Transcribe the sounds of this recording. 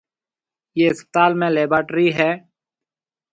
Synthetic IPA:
jeːɪspɪ̥t̪aːlmẽːleːbaːʈɾiɦɛː

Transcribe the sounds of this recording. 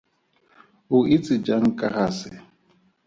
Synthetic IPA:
ʊɪt͡sʼɪd͡ʒaŋ̩kʼahasɪ

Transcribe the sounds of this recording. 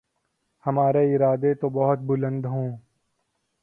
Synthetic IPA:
hɐmaːɾeɪɾaːd̪et̪obɐɦʊt̪̚bʊlə̃nd̪ɦõː

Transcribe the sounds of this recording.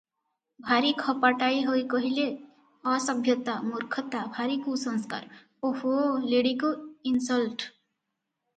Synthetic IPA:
bʱaɾikʰɔpaʈajɦojkɔɦile | ɔsʌbʱjɔt̪amuɾkʰɔt̪abʱaɾikusɔ̃ŋska̰ɾ | oholeɽikoinsɔlʈ

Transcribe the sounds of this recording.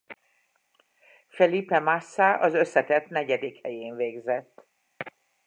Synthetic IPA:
fɛlipɛmasːaʔɒzø̞sːɛt̪ɛt̪nɛɟɛd̪ikhɛjeːɱveːɡzɛt̪ː

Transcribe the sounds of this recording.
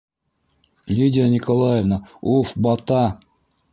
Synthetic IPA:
lʲidʲɪənʲɪkolˠajevnəufbɑt̪ɑ

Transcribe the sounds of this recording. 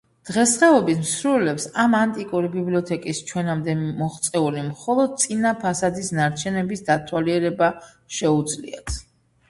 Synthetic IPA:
d̪̥ʁɛsχɛɔbismsɾulɛpsamant̪ʼikʼuɾibibliɔt̪ʰɛkʼist͡ʃʰwɛnamd̪ɛmɔχt̪sʼɛulimχɔlˠɔd̪̚t̪sʼinapʰasad̪isnaɾt͡ʃʰɛnɛbisd̪at̪ʰwaliɛɾɛba | ʃɛud̪zlḭa̰t̪ʰ

